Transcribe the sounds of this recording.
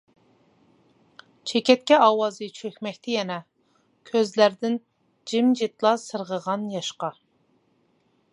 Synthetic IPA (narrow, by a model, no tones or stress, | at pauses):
t͡ʃʰekʲɛt̪̚kʲɛɑːwɑzɨt͡ʃʰøkʲmɛk̚ʲt̪ʰɛjɛnɛ | kʲʰøzlæɾd̪ɪn | d͡ʒɪmd͡ʒit̪lˠɑsəɾʁəʁɑnjɑʃqɑ